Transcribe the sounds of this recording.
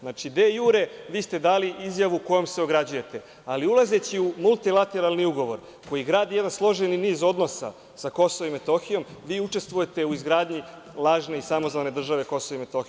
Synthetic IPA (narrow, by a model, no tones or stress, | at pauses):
naːt͡ʃid̪e̞ːjuːɾe̞ʋiːst̪e̞d̪aːliʔizjaʋuko̞jomse̞o̞ɡɾad͡ʑuje̞t̪e̞ | aliulˠaze̞t͡ɕiumulˠt̪ilˠat̪e̞ɾalˠniuɡo̞ʋo̞̰ɾ | ko̞jiɡɾaːd̪ijed̪anslˠo̞ʒeniniːzo̞d̪no̞sa̰ | sako̞soʋoime̞t̪o̞xijo̞mʋiːut͡ʃe̞st̪ʋuje̞t̪e̞uizɡɾaːd̪ɲi | lˠaːʒne̞isamo̞zane̞d̪r̩ʒaʋe̞ko̞soʋoimet̪o̞xi